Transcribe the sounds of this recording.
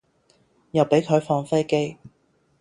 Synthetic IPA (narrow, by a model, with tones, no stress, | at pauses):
jɐ˨wpe˨˥jkʰɵ˨˧ɥfɔː˧ŋfe˥jke˥j